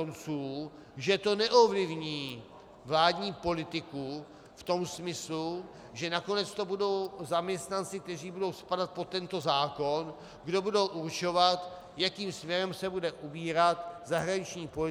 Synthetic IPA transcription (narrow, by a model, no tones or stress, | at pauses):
ont͡suː | ʒɛt̪o̞nɛʔovlɪvɲiː | vlaːdɲiːpo̞lɪt̪ɪku | ft̪o̞msmɪslu | ʒɛnako̞nɛt͡st̪o̞budo̞wzamɲɛst̪nant͡sɪk̚t̪ɛr̝iːbudo̞wspadat̪̚pot̪ːɛnt̪o̞zaːko̞n | ɡdo̞budo̞wʔuɾt͡ʃo̞vat̪ | jakiːmsmɲɛɾɛmsɛbudɛʔubiːɾat̪zaɦɾaɲɪt͡ʃɲiːpolɪ